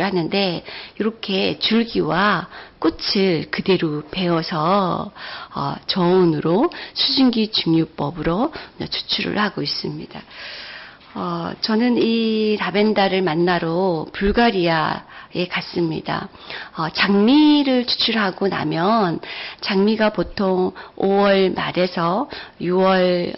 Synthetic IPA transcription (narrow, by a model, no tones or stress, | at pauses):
ɭhanɯnde̞iɾʌkʰe̞t͡ɕuɭɡiwak͈ot͡ɕʰɯɭkɯde̞ɾope̞wʌsʰʌ | ʌ̰t͡ɕʌonɯɾosʰud͡ʑiŋɡit͡ɕuŋjup͈ʌbɯɾoat͡ɕʰu̥t͡ɕʰuɾɯ̰ɭhaɡois͈ɯmɲḭd̥a | ʌt͡ɕʌnɯnitabe̞ndaɾɯɭmanːaɾopuɭɡaɾiae̞kas͈ɯmɲḭda̰ | ʌt͡ɕaŋmiɾɯɭt͡ɕʰu̥t͡ɕʰuɭɦaɡona̰mjʌnt͡ɕaŋmiɡapotʰoŋowʌɭma̰ɾe̞sʰʌjuwʌɭ